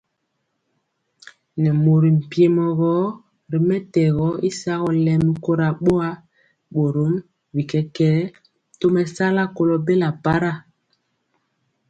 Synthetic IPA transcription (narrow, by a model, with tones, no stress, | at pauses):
nɛ˨mo˨ɾi˨m̩˨pi˦e˨mɔ˨ɣɔ˦ | ɾi˨mɛ˦tɛ˨ɣɔ˨˦i˦sa˦ɣɔ˨lɛ˦mi˦ko˦ɾa˨ɓo˦a˦ | ɓo˨ɾo˨˦m | bi˨kɛ˦kɛː˦˨ | to˦mɛ˨sa˦la˦ko˨lɔ˦be˦la˨pa˦ɾa˦˨